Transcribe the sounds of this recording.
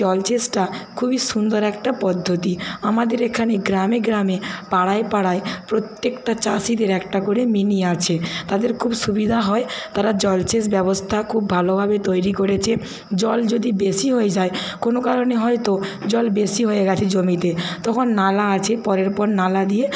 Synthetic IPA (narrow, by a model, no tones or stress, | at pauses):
ɔlt͡ɕesʈakʰubiʃund̪oɾɛkʈapɔd̪ʱːot̪iamad̪eɾekʰaneɡɾameɡɾamepaɽaepaɽaepɾot̪ːekʈat͡ɕasid̪eɾɛk̚ʈakoɽeminiat͡ɕʰet̪ad̪eɾkʰubʃubid̪ʱaɦɔet̪aɾad͡ʑɔlt͡ɕes̬bɛbost̪ʰakʰubːʱalobʱabet̪ojɾikoɾet͡ɕʰe | d͡ʑɔld͡ʑod̪ibesiɦoed͡ʑaekonokaɾoneɦɔet̪od͡ʑɔlbesiɦojeɡɛt͡ɕʰed͡ʑomit̪et̪ɔkʰonːalaat͡ɕʰepɔɾeɾpɔɾnalad̪ie